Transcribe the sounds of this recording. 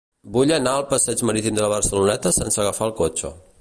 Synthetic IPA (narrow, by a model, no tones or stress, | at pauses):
buʎənaəlˠpəsɛd͡ʒməɾit̪imd̪ələβərsəlunɛt̪əsɛnsəɣəfaəlˠkot͡ʃə̰